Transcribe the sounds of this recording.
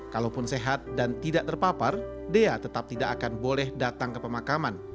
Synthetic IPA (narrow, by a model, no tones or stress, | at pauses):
kalowpʊnseɦat̪̚dant̪idaʔt̪ərpapar | deat̪ət̪ap̚t̪idakakanbolɛhdat̪aŋkəpəmakaman